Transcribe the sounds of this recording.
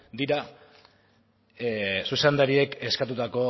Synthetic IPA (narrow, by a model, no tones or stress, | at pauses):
d̪iɾa | suse̞nd̪aɾie̞ke̞skat̪̬ut̪ako̞